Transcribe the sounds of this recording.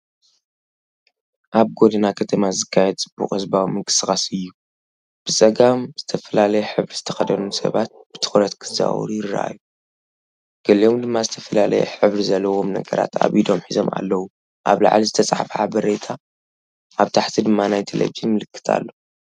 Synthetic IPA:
ʔaβɡo̞d̪ɐnakʰɐt̪ʰɐmazɨkʰːajɛd̪̚t͡sʼɨbːṵkʼɐzbawimɨŋkɨ̥sɨxʼasɨjːu | b̥ɨt͡sʼɐɡamz̥ɨt̪ʰɐfɐlalɐjɛħɨβɾiz̥ɨt̪ʰɐ̥xɐd̪ɐnusɐ̰βat̪̚b̥ɨt̪ʰɨ̥xɾɐt̪kʰɨza̰w̰ɾujɪrɐ̰ʔa̰jːu | ɡ̥ɐliʔo̞md̪ɨmːazɨt̪ʰɐfɐlalɐ̰jɛ̰ħɨβɾizɐlːɐwo̞mnɐ̰ɡɐɾa̰t̪a̰βid̪omħizo̞ma̰lːɐwu | ʔaβla̰ʕlizɨt̪ʰɐt͡sʼaħfʕabɐɾet̪ʰa | ʔaβt̪ʰaħt̪ʰid̪ɨmːanajt̪ʰelḛβid͡ʒinmɨlɨkːɨ̥t̪ʰa̰lːo̞

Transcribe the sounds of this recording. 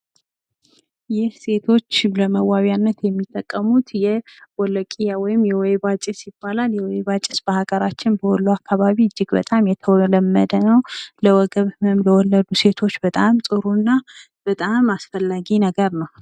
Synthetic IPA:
jɪhse̞t̪ʰo̞t͡ʃːləməwaβjanːət̪jɛmːit̪ʼːəkʼːəmut̪jɛwɔləkʼijawɔjɪmjɛwɔjβat͡ʃʼɪsibalaljɛwɔjβat͡ʃʼːɪsb̥əhaɡəɾat͡ʃːɪnbəhɔlːuakʰːaβaβiɨd͡ʒːɪɡbə̰t̪ʼamjɛt̪ʰəwləmːəd̪ənəwləwɔɡəβmɨmləwɔlːəd̪use̞t̪ʰo̞t͡ʃːbət̪ʼamsʼɨɾunːa | b̥ət̪ʼamasfəlːaɡinəɡəɾnəw

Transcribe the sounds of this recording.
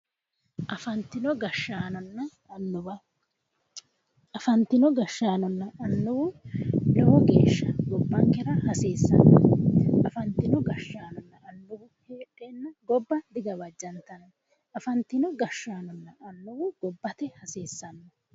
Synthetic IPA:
ʔɐfɐnt̪ɪnɔɡɐʃːaːnɔnːɐ | ɐnːʊbɐ | ɐfɐnt̪ɪnɔɡɐʃːaːnɔnːɐːnːʊwʊlɔwɔɡe̞̰ːʃːɐɡɔbːɐŋkɛɾɐhɐseːsːɐ̰nːɔɐfɐnt̪ɪnɔɡɐʃːaːnɔnːɐʔɐnːʊbʊheːᶑenːɐɡɔbːɐd̪ɪɡɐbɐd͡ʒːɐnt̪ɐnɐ | ɐfɐnt̪ɪnɔɡɐʃːaːnɔnːɐːnːʊwʊɡ̥ɔbːɐt̪ɛhɐseːsːɐnːɔ

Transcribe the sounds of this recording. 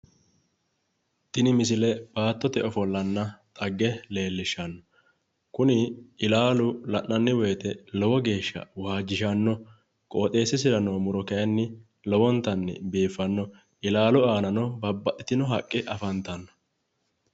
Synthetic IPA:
t̪ɪnɪmɪs̬ɪlɛb̥aːt̪ːɔt̪ɛɔfɔlːɐnːɐt̪ʼɐɡːɛle̞ːlːɪʃɐnːɔ | kʊnɪɪlaːlʊlɐʔnɐnːɪweːt̪ɛlɔwɔɡe̞ːʃːɐ̰waːd͡ʒːɪʃɐnːɔ | kʼoːt̪ʼe̞ːsːɪsɪɾɐnoːmʊɾɔkɛjɐnːɪ | lɔwɔnt̪ɐnːɪ̰biːfːɐnːɔ | ɪlaːlʊaːnɐnɔbɐbːɐt̪ːɪt̪ɪnɔɦɐkʼːɪʔɐfɐnt̪ɐnːɔ̥

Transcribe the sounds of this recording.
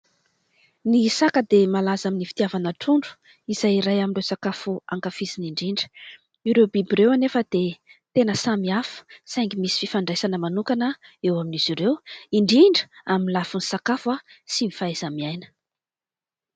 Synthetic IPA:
nisakəd̪emalazaminifi̥t̪iavanaʈ͡ʂuɳɖ͡ʐu̥ | iz̥ajɾajaminrewsakafuaŋkafiziniɳɖ͡ʐiɳɖ͡ʐə̥ | iɾewbibiɾewanefəd̪et̪enəsamiafu̥sajŋɡimisi̥fifaɳɖ͡ʐajsanəmanukanəewaminiz̥iɾewiɳɖ͡ʐiɳɖ͡ʐəaminlafunisakafasimifaezamiajnə̥

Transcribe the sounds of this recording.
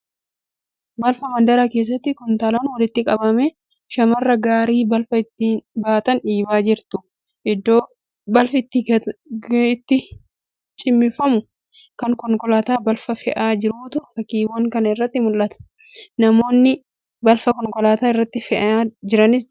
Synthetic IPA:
bɐlfɐmɐnd̪ɐɾake̞ːs̬ːɐt̪ːɪkʊnt̪aːlɐnʊwɐlɪt̪ːɪkʼɐbɐmɛ | ʃɐmɐrːɐɡaːɾiːbɐlfɐɪt̪ːɪbaːt̪ɐnᶑiːbaːd͡ʒɪɾt̪ʊ | ʔɪd̪ːo̞ː | bɐlfɪt̪ːɪ | ɪt̪ːɪ | t͡ʃʼɪmːɪfɐmʊ | kɐŋkɔŋkɔlaːt̪aːbɐlfɐfɛʔaːd͡ʒɪɾuːt̪ʊfɐkːiːwɐŋkɐnɐɪrːɐt̪ːɪmʊlːɐt̪ɐ̥ | nɐmo̞ːnːɪ | bɐlfɐkɔŋkɔlaːt̪aːɪrːɐt̪ːɪfɛʔad͡ʒɪɾɐnɪs̬

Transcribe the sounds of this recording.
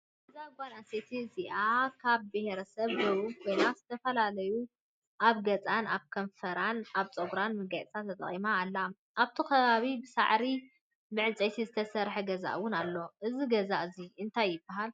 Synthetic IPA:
bɐzaɡʷanaset̪ʰiziʔakʰaβbɨheɾɐsɐβɡɐβukʰo̞jnaz̥ɨt̪ʰɐfɐlalɐju | ʔaβɡɐt͡sʼanaβkʰɐɱfɐɾanaβt͡sʼɐɡɾanmɨɡasʰat̪ʰɐt̪ʼɐ̰χʼimaːlːa | ʔaβt̪ʰikʰɐβaβibɨsa̰ʕɾi | mɨʕɨt͡sʼejt̪ʰizɨt̪ʰɐsɐɾħeɡɐza̰ʔwʊnalːo̞ʔɨziɡɐzaʔɨziɨnt̪ʰajːɪbːaɦal

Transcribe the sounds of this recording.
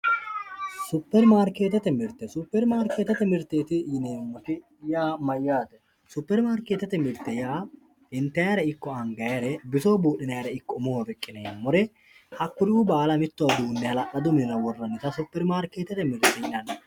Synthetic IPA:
sʊpːɛɾmaːɾkːeːt̪ːɐt̪ɛmɪɾt̪ːɛsʊpːɛɾmaːɾkːeːt̪ɐt̪ɛmɪɾt̪ːeːt̪ɪjɪneːmːɔt̪ɪ | jaːmɐjːaːd̪ɛ | sʊpːɛɾmaːɾkeːt̪ːɐt̪ɛmɪɾt̪ːɛjaː | ɪnt̪ːɐjɐɾɐɪkːɔɐŋɡɐjɐɾɛbɪsoːbuːɗːɪnɐjɐɾɐɪkːɔmowɐbɛkʼːɪneːmːɔɾɛ | hɐkːʊdɪʊbaːlɐmɪt̪ːɔwɐd̪uːnːɛhɐlɐʔɐd̪ʊmɪnɐwɔrːɐnːɪt̪ɐsʊpːɛɾmaːɾkeːt̪ːɐt̪ɛmɪɾt̪ːɛɐnːɛ

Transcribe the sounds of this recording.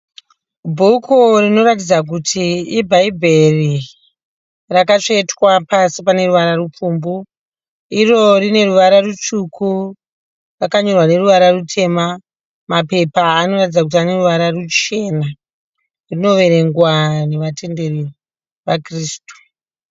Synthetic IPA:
bʱukʰurino̞ɾatid͡zak̬utʰiːbʱaibʱe̞ri | rakat͡ʂetwapasipane̞ɾuʋaɾarup͡fumbu | iro̞rine̞ruʋaɾarut͡ʂukʰu | rakaɲo̞rwane̞ɾuʋaɾarutʰe̞ma | mape̞paːno̞rat̬id͡zakut̬iane̞ruʋaɾarut͡ʃe̞na | rino̞ʋe̞ɾe̞ŋɡwane̞ʋatʰe̞nde̞ri | ʋakriːstu̥

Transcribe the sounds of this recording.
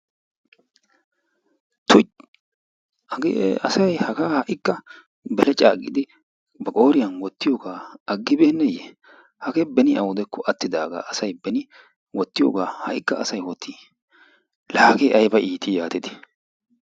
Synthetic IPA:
t̪ʰʊ | ʔɐɡḛɐsɐjhɐɡaːhɐʔɪkːɐ | bɛlɛt͡ʃʼaːɡɪ̰d̪ɪ | bɐkʼo̞ːɾɪjɐnwɔt̪ːɪjoɡaːɐɡːɪbeːnːɛjḛ | hɐɡɛbɛnɪɐwʊd̪ɛkʰːɔʔɐt̪ːɪd̪aːɡa̰ːʔɐsɐjbɛnɪ | wɔt̪ːɪjo̰ːɡaːhɐʔɪkːɐɐsɐjwɔt̪ʰːiː | laːɡeːʔɐjbɐʔiːt̪ijaːt̪ɪd̪ɪ̥

